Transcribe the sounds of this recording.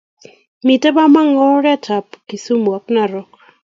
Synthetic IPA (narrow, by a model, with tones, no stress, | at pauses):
mi˨tɛ˦ba˦ma˦ŋɔ˦ɾɛ˦tʰa˨pki˨su˦mwa˨k̚na˨ɾɔ˨˦k